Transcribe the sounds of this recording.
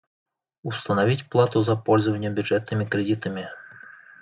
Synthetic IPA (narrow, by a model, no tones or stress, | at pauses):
ust̪ənɐvʲitʲplˠat̪ʊzɐpɔlʲzəvənʲjəbʲʊdʐɛt̪̚nɨmʲɪkɾʲɪdʲit̪əmʲɪ